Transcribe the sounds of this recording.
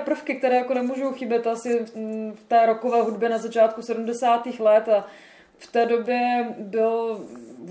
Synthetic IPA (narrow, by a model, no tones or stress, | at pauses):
pr̩fkɪk̚t̪ɛɾɛːjako̞nɛmuːʒowxɪbjɛt̪asɪft̪ɛːɾokovɛːɦudbjɛnazat͡ʃaːt̪kusɛdumdɛsaːt̪iːxlɛt̪a | ft̪ɛːdo̞bjɛbɪl